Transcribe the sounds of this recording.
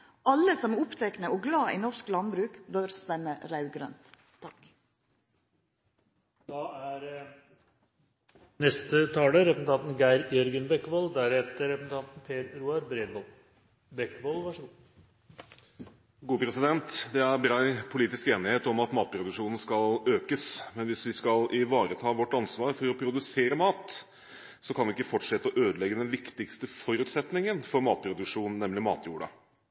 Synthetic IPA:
ʔɑlːəsɔmɛʊpt̪ʰɛknəɔɡlɑːʔḭnɔɾsklɑnbɾʉːkbœɾst̪ɛmːəɾɑʉɡɾœ̰nt̪ː | ɑk | d̪̥ɑːæɾ | nɛst̪ət̪ʰɑːləɾɛpsn̩t̪ʰɑnt̪n̩ɡæɪɾjœɾɡənbɛkːʋoːld̪æɾɛt̪əɾɛpsn̩t̪ʰɑnt̪n̩pʰeːɾɾuːɑɾbɾenʋɔl | bɛkːʋoːlʋɑʂə | ɡuːəpʰɾɛsɪd̪ɛnt̪d̪ɛæɾbɾɑɪpʰʊliːt̪ɪskeːnɪheːt̪ɔmɑt̪mɑːt̪̚pʰɾʊd̪ʉkʂuːnn̩skɑløːkəsmɛnʋɪsʋɪskɑlɪʋɑːɾət̪ʰɑːʋɔʈːɑnsʋɑːɾfɔɾɔpʰɾʊd̪ʉseːɾəmɑːt̪ | sɔkʰɑnʋɪɪkːəfɔʈʂɛt̪ːəɔʔøːd̪əlɛɡːəd̪ɛnʋɪkt̪ɪkst̪əfɔɾʉːt̪sɛt̪nɪŋənfɔɾmɑːt̪̚pʰɾʊd̪ʉkʂuːnn̩ːɛmlɪmɑ̰ːt̪ʰjuːɽɑ̰

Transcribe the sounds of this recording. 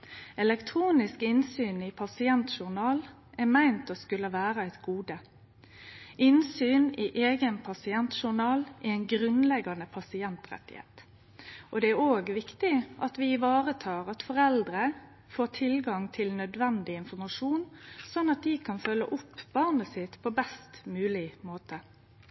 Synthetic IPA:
ɛlɛkt̪ʰʁuːnɪskɪnsyːnɪpʰɑsɪɛnt̪ʃʊʁnɑːl | ʔɛmæɪnt̪ɔskʉlːəʋæːʁəæɪt̪ɡuːd̪ə | ʔɪnsyːnɪʔeːɡənpʰɑsɪɛnt̪ʃʊʁnɑːlʔɪæɪnɡʁʉnlɛɡɑnəpʰɑsɪɛnt̪ʁɛ̰t̪ːɪ̰hḛːt̪ | ʔɔd̪ɛæɾoːɡʋɪkt̪ɪʔɑt̪ʋɪɪʋɑːʁət̪ʰɑːʁɑt̪fɔʁɛld̪ɾə | foːʁt̪ʰɪlɡɑŋt̪ʰɪlnœd̪ʋɛnd̪ɪɪnfɔɾmɑʂuːnsɔnːɑt̪̚d̪ɪkʰɑnfœlːə̰ʔʊpːb̥ɑʁnəsɪt̪pʰɔbɛst̪mʉːlɪmoːt̪ʰə

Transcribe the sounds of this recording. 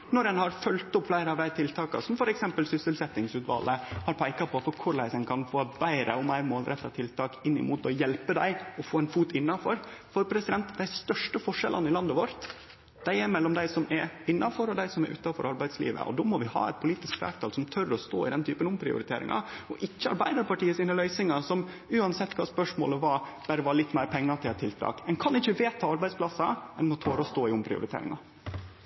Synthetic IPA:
nɔɾɛnhɑɾfœlt̪ʊpflæɪɾəɑʋd̪æɪt̪ʰɪlt̪ʰɑːkɑ̰sɔmfɔɾɛksɛmpəlsʏsəlsɛt̪ːɪŋsʉːt̪ʋɑ̰lːəhɑɾpʰæɪkɑpʰɔfɔɾkʰʊɭæɪsənkʰɑnfoːbæɪɾə̰ɔmæɪɾmoːlɾɛt̪ːɑt̪ʰɪlt̪ʰɑːkɪnːɪ̰muːt̪ɔjɛlpəd̪æɪɔfoːɛnfuːt̪ɪnːɑfɔɾfɔɾpʰɾɛsɪd̪ɛnt̪d̪æɪst̪œʂʈəfɔʂɛ̰lʔɑ̰nɪlɑnd̪əʋɔɾt̪ | d̪̥æɪɛɾmɛlːɔmd̪æɪsɔmɛɾɪnːɑfɔɾɔd̪æɪsɔmæɾʔʉ̰ːt̪ɑfɔ̰ɾʔɑɾbæɪd̪slḭːʋə̰ʔɔ̰d̪ɔːmɔʋɪhɑ̰ːɛ̰t̪̚pʰʊliːt̪ɪskfæ̰ːɾʈ̪ʰɑːlsɔmt̪ʰœɾɔst̪o̰ːɪd̪ɛnt̪ʰyːpənʊmpʰɾɪ̰ʊ̰ɾɪt̪ʰḛːɾɪ̰ŋʔɑ̰ɔʔɪçːəɑ̰ɾbæɪd̪ɑɾpɑʈiːəsɪnəlœʏsɪŋɑsɔm | ʉːɑnsɛt̪ːkʰɑːspœʂmo̰ːləʋɑb̥æːɾəʋɑɭɪt̪ːmæɪɾpʰɛŋːɑt̪ʰɪlɛt̪ʰːɪlt̪ʰɾɑ̰ːkɛnkʰɑnɪçːəʋeːt̪ʰːɑɑɾbæɪd̪splɑsɑɛnmɔt̪ʰoːɾɔst̪oːɪʊmpʰɾɪ̰ʊ̰ɾɪt̪ʰḛːɾɪ̰ŋɑ̰

